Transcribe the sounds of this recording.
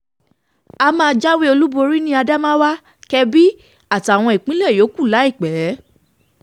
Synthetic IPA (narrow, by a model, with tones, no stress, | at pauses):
a˧mãː˦˧d͡ʒa˦we˦o˧lu˦bo˧ɾi˦nĩ˦a˧da˦mã˦wa˦ | kɛ˧bi˦ | a˦˨ta˨w̃ɔ̃˧i˨k͡pĩ˨˦lɛ˦˨jo˨˦ku˦˨la˨˦i˦˨k͡pɛ˨˦